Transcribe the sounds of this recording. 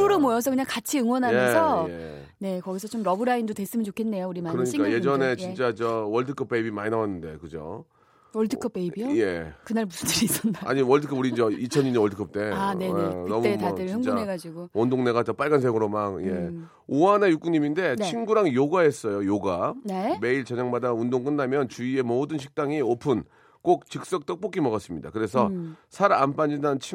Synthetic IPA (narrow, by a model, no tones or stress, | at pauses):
uɾomwojʌsʰʌkɯɲaŋkat͡ɕʰiɯŋwʌnɦajjʌsʰʌje | ne̞kʌɡisʰʌt͡ɕomɾʌbɯɾaindotwe̞s͈ɯmɯnt͡ɕokʰe̞nːe̞jouɾimaɯɾʌɲik͈aje̞d͡ʑʌne̞t͡ɕint͡ɕ͈ad͡ʑʌwʌɭdɯkʰʌp͈e̞ibimaɲinawanːɯnde̞̰kɯd͡ʑo̰ | ʌɭdʰɯkʰʌp͈eibiojekɯnaɭmusʰndɯɾiːs͈ʌndaa̰ɲiwʌɭdɯkʰʌbuɾid͡ʑeit͡ɕʰʌɲiɲiʌɭdʰɯkʰʌp̚t͈e̞ane̞ekɯnʌmtetadɯɭʰʌŋunɦeɡad͡ʑiɡoondoŋne̞ɡatʌp͈aɭɡansʰeŋɯɾomak̚je | oanejuk͈uɲiminde̞t͡ɕʰinɡuɾaŋjoɡaes͈ʌjojoɡaneme̞iɭt͡ɕʌɲaŋmadaundoŋk͈ɯnːamjʌnt͡ɕuie̞modɯnɕʰi̥k̚t͈aŋiopʰɯn | k͈ok̚t͡ɕɯk̚s͈ʌk̚t͈ʌk̚p͈ok͈ʰimʌɡʌs͈ɯmɲida̰kɯɾe̞s̬ʰʌsʰaɾanpand͡ʑindanɯnt͡ɕʰi